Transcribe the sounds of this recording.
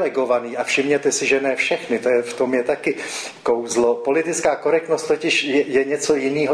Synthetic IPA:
lɛɡo̞vaniːʔafʃɪmɲɛt̪ɛsɪʒɛnɛːfʃɛxnɪt̪ojɛft̪o̞mjɛt̪akɪ | kowzlo̞po̞lɪt̪ɪt͡skaːko̞ɾɛk̚t̪nost̪t̪ocɪʃjɛjɛɲɛt͡sojɪniːɦo

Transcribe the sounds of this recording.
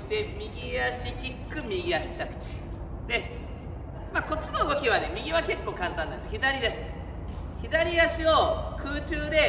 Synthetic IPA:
t̪e̞mʲiɡʲijaɕiçʲikːɯ̟mʲiɡʲiaɕi̥t͡ɕakɯ̟̥t͡ɕi̥ | d̪e̞ | maːko̞t͡ɕːino̞ɯ̟ɡo̞kʲiβane̞mʲiɡʲiβake̞kːo̞ːkãnt̪ãnd̪anesçʲid̪aɾʲid̪e̞sɨ̥ | çid̪aɾʲijaɕio̞kʰɯːt͡ɕɨːd̪e̞

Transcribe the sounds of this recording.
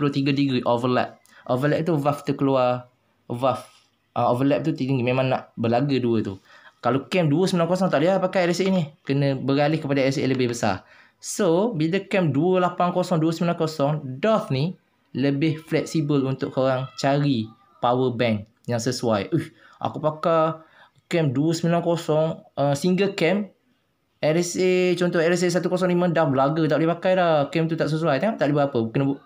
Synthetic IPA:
plot̪iɡadəɡɾiʔovəlɛ̰p̚ | ʔovəlɛp̚t̪uvaft̪əkəluar | vaf | ʔəovəlɛp̚t̪ut̪it̪iŋɡimẽmãŋna̰ʔbəlaɡəduət̪ukalokɛmduəsəmilankos̬ɔŋt̪aʔliɦapakajɛlɛsenikənə̃bəɾalɪhkəpadaɛlɛseləbɪhbəsa̰ | sobidəkɛmduəlapaŋkosɔŋduəsəmĩlãnkosɔŋdɔt̪ni | ləbɪhflɛk̚sibəlunt̪ʊʔkoɾaŋt͡ʃaɾi | pawəbɛŋ | jaŋsəsuajʔuh | ʔa̰kupaka | kɛmduəsəmilankosɔŋəsiŋɡəlkɛm | ɛɾɛset͡ʃɔnt̪ɔhɛɾɛs̬es̬at̪ukos̬ɔŋnimə̃dahblaɡət̪aʔlipakajdakɛmt̪ut̪aʔs̬əs̬uajt̪aŋaʔ̚t̪aʔlibəapəbukanbu

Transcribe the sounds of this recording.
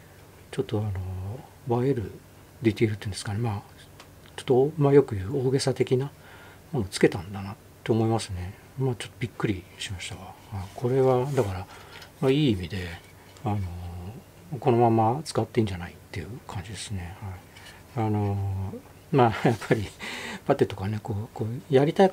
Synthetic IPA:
t͡ɕo̞t̪ːo̞ano̞ | baeɾɯ̟ | d̪it̪eɾɯt̪eiɯ̟nd̪sɨ̥kane̞ma | t͡ɕo̞̥t̪ːomajo̞kɯ̟jɯ̟ːo̞ːɡe̞sat̪e̞kʲina | mo̞noːt͡sɨ̥ke̞t̪ãnd̪anatːoːmo̞imasɨne̞ | maːt͡ɕo̥t̪ːo̞bʲikːɯ̟ɾʲiɕimaɕi̥t̪aɡahaikʰo̞ɾe̞βad̪akaɾamaiːimʲid̪e̞ | ano̞ | ko̞no̞mãmːat͡sɨ̥kat̪ːeĩɲ̟d͡ʑanait̪ːe̞jɯ̟kʰãɲ̟d͡ʑid̪e̞sɨne̞hai | ano̞ | maːjapːaɾʲipat̪ːe̞t̪o̞kane̞ko̞ːkoːjaɾʲit̪ai

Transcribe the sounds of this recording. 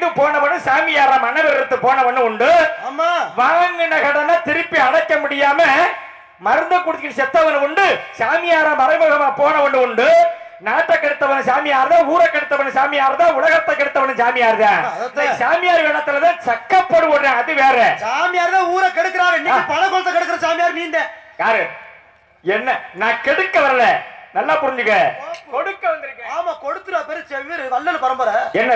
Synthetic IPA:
d̪ɯpoːnɐʋɐnːɯ̃saːmɪjaːɾãːmɐnɐʋɛɾɪɾɯt̪ːɯpoːnɐʋɐɳːɯ̃ʊɳɖɯːmaːʋaːŋɡɯɳɐkɐɽɐnaːt̪ɪɾɯpːiɐɽɐkːɐmʊɽɪjaːmɐ | mɐɾɯnd̪ɐkːʊɽɯt̪ːkːɪnsɛt̪ːɐʋɐnɯʊɳɖɯsaːmɪjaːɾãmɐɾɐɪmɐɐɾɐmãːpoːnɐʋɐɳːɯ̃ʊɳɖɯ | naːʈːɐkːɐɽɯt̪ːɐʋɐnːɯ̃saːmɪjaːɾɐðãːuːɾɐkːɛɽɯt̪ːɐʋɐɳːɯ̃saːmɪjaːɾðãːʊɭɐɣɐt̪ːɐkːɛɽɯt̪ːɐʋɐɳːɯ̃saːmɪjaːɾɯðãːsaːmɪjaːɾʋeːɭɐt̪ːɪlɐðãːt͡ʃɐkːɐpːɐɽɯpoːɽɾẽːɐðɯʋeːɾɛsaːmɪjaːɾðãːuːɾɐkɛɽɯkːɯɾaːnãpɐnɐkɔɽɯt̪ːɐkɛɽɯkːɯɾɐ̃saːmɪjaːɾniːnd̪ejaːɾɯ | ɛnːɐnãːkɛɽɯkːɐʋɐɾɐlɛnɐlːaːpʊɾɪɲd͡ʒɯkːɛkɔɽɯkːɐʋɐnd̪ɪɾɯkːɾẽːmakɔɽɯt̪ːɯɾɐpɛɾɪt͡ʃːɐʋiːɾʋɐlːɐlɯpɐɾɐmbɐɾɐɛnːɐ

